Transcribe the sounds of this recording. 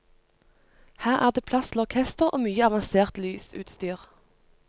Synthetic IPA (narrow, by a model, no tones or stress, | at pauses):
hæːʁʔæ̰ːʁd̪eːpʰlɑslɔʁkʰɛst̪əʁʔo̰ːmyːəɑʋɑnseːʁt̪lyːsʉ̰ːt̪st̪yːʁ